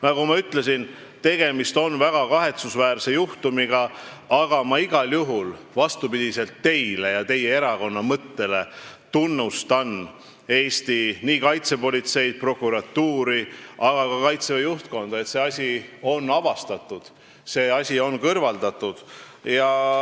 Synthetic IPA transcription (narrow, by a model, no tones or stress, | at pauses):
nɑkumɑyt̪le̞s̬in | t̪e̞ɡ̥e̞mist̪o̞nvæɡ̥ɑkɑɦe̞t̪susvæːrse̞juht̪umiɡ̥ɑ | ɑɡɑmɑiɡ̥ɑljuɦul | vɑst̪upid̪̥ise̞lt̪ːe̞jlejɑt̪e̞je̞e̞ɾɑko̞nːɑmɤt̪ːe̞le̞t̪unːust̪ɑnː | e̞ːsʲt̪iniːkɑjt̪se̞po̞lʲit̪se̞jd̪̥̚pro̞kuɾɑt̪ːuːɾiʔɑɡ̥ɑkɑkɑjt̪sevejuht̪ko̞nd̪̥ɑe̞t̪se̞ɑsʲio̞nːɑvɑst̪ɑt̪ːˑud̪̥ | se̞ɑsʲio̞nkɤrvɑld̪ɑt̪ːˑud̪̥ | jɑ